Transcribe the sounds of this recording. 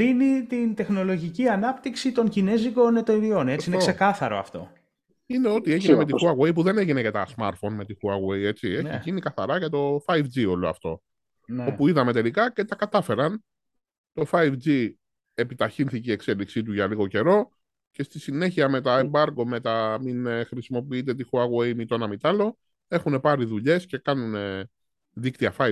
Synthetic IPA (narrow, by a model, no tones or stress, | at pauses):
ðinit̪int̪e̞xno̞lo̞ʝiciɐnɐpt̪iksit̪o̞ɲcine̞ziko̞ne̞t̪eɾio̞ne̞t͡siinekssekɐθɐɾo̞̰ɐ̰ft̪o̞̰ | ine̞o̞t̪ie̞ʝinemet̪ixuɐɣwejpuðe̞neʝine̞cɐt̪ɐsmɐ̰ɾt̪fo̞nme̞t̪ixuɐɣweje̞t͡sieçicinikɐθɐɾɐʝɐt̪o̞fɐjvd͡zio̞loɐ̰ft̪o̞ | o̞puiðɐme̞t̪e̞likɐcet̪ɐkɐt̪ɐfe̞ɾɐn | t̪o̞fɐjvd͡zi | epit̪ɐçinθicie̞kse̞liksit̪̬uʝɐliɣo̞ce̞ɾo̞ | ce̞st̪isine̞çiɐme̞t̪ɐembɐɾɡo̞me̞t̪ɐminxɾisimo̞piit̪̬e̞t̪̬ixuɐɣwejmit̪o̞nɐmit̪ɐlo̞ | e̞xune̞pɐɾiðuʎe̞sce̞kɐnune | ðikt̪iɐfɐ